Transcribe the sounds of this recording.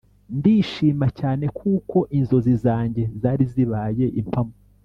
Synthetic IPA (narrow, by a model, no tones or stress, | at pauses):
ndiʃiːmacaːne̞kʰuːko̞ʔinzo̞zizaːɲɟe̞zaːɾiziβaːje̞ʔimpʰamo